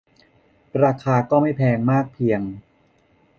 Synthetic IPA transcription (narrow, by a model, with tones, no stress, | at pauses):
ɾaː˧kʰaː˧kɔː˥˩ma˥˩jpʰɛː˧ŋmaː˥˩k̚pʰi˧əŋ